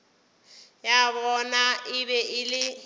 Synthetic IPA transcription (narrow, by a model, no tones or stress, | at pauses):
jabɔnaʔɪbɛʔɪlɪ